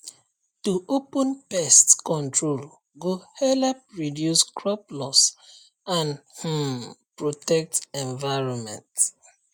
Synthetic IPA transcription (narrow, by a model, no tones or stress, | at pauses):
tuʔopɔ̃npɛstkɔ̃ntɹol | ɡohɛlɛpɹidjuskɹɔplɔs | ãnh̩pɹotɛk̚tɛ̃ɱvaɪɹɔ̃nmɛ̰̃nt